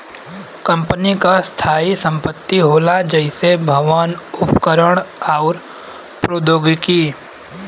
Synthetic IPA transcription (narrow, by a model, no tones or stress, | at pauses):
kə̃mpənikast̪ʰaːisə̃mpət̪ːiɦoːlad͡ʒəɪsebʱəʋənʊpkəɾəɽ̃aʊɾ | pɾoːd̪oːɡkiː